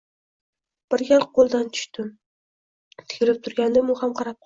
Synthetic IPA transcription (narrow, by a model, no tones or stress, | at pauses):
b̥ɪɾɡʲalˠqʰolˠd̪ant̪ʰʊ̥ʃt̪ɪm | t̪ʰɪ̥kʲʰɪlɪp̚t̪ʰʊɾɡʲand̪ɪmʊhamqʰɑɾap̚qʰ